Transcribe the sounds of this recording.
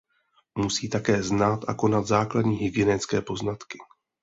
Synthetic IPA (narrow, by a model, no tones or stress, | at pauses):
musiːt̪akɛːznat̪ʔa̰ko̞nat̪zaːkladɲiːɦɪɡjɛnɛt͡skɛːpoznat̪kɪ̥